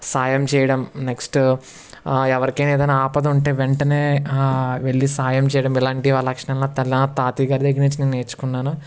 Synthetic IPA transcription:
saːjɐmt͡ʃɛːjɐɽɐmneksʈ | ɛʋɐɾikejneːd̪ɐjnːaaːpɐd̪ɐuɳʈe̞ːʋeɳʈɐne̞ː | ʋe̞ɭːisaːjɐmt͡ʃɛːjɐɽɐmilaːɳʈiʋaːɭːɐkʂɐɳɐlnoːt̪ɐlːɐnɐt̪aːt̪iːɡaːɾid̪eɡːiɾniɲt͡ʃineːnueːt͡ʃu̥kunːaːnu

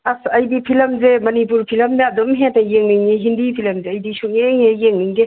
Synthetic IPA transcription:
asɐjbipʰilɐmzemɐnipuɾpʰilɐmnaːdomɦetajeŋniŋniɦindipʰilɐmzeɐjdisuŋeŋejeŋniŋde

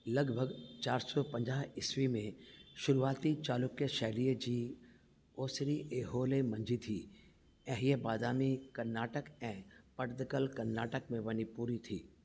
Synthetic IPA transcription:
lɐɡbʱəɡt͡ɕaːɾsɔpɐ̃ɲd͡ʑaːɦɪswimẽʃʊɾuaːt̪it͡ʃaːlʊkjəʃɛɦliːd͡ʑiː | oːsɾiʔeːɦoːlemɐ̃ɲd͡ʒʱit̪ʰiː | ɛ̃ɦiəbaːd̪aːmikɐɾnaːʈəkɛ̃ːpɐʈd̪kəlkɐɾnaːʈəkmẽʋɐnipuːɾit̪ʰiː

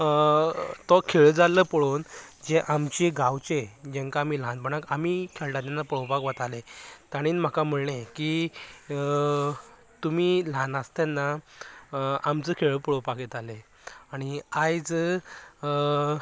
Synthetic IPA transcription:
t̪ɔkʰeɭd͡zaləpəɽoːnd͡ʑeʔamt͡ɕiɡawt͡ɕed͡ʑeŋkamiːlãnbəɽ̃akamikʰeɭʈat̪anːapəɭowpakʋat̪alet̪aɽ̃iːnm̤akam̤əɭɳẽki | t̪umiːlãnast̪janːa | amt͡səkʰeɭəpəɭowpaket̪ale | aɽ̃iajd͡zə

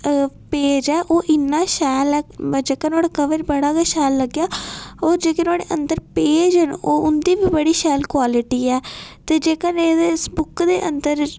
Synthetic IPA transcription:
peːd͡ʒɛːʔoːʔɪnːãːʃɛːlɛːd͡ʒeːkənaːɽaːkəʋəɾbəɽaːkɛːʃɛːlːəɡjaːoːɾd͡ʒeːkɪnaːɽḛːʔə̰̃nd̪əɾpeːd͡ʒɦənoːʊnd̪iːbiːbəɽiːʃɛːlkwaːlɪʈiːɛːt̪eːd͡ʒeːkəneːd̪eːsbʊkd̪eːʔə̰nd̪əɾ

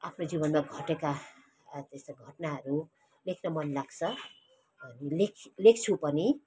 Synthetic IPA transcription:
apʰnod͡zibʌnmaɡʱʌʈeka | t̪est̪oɡʱʌʈnaɦʌɾu | lekʰnʌmʌnlaɡt͡sʰʌ | bʱʌnilekʰlek̚ʰt͡sʰupʌni

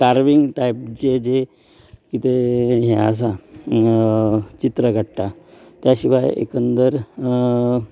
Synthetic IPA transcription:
kaɾʋiŋɡʈaip̚d͡ʑed͡ʑe | kit̪eɦɛ̃əs̬a | t͡ɕit̪ɾəɡʱəɽʈ̪at̪jaɕiʋajḛkənd̪əɾ

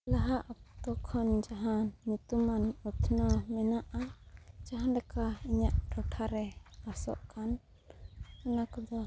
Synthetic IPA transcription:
laɦaʔap̚t̪ɔkʰɔnd͡ʒaɦãnːut̪umanut̪ʰnɔmɛnaʔad͡ʒaɦanɾɛkaiɲaʔɾɔʈʰaɾɛasɔ̰ʔkan | ɔnakɔd̪ɔ

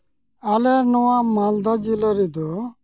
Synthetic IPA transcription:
alɛɾnɔwamald̪ad͡ʒilaɾid̪ɔ

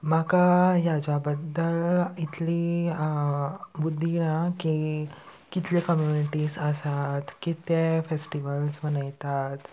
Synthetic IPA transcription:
m̤akajad͡ʑabəd̪ːəlit̪li | bud̪ʱːinaki | kit̪lekəmjuniʈiːsəsat̪kit̪efesʈiʋəlsmənajt̪at̪

